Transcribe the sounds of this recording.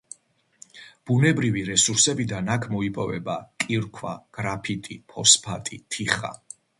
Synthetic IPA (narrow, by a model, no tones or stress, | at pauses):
b̥unɛbɾiviɾɛsuɾsɛbid̪anakʰmɔipʼɔvɛ̰bakʼiɾkʰwa̰ɡ̥ɾapʰit̪ʼipʰɔspʰat̪ʼit̪ʰiχa̰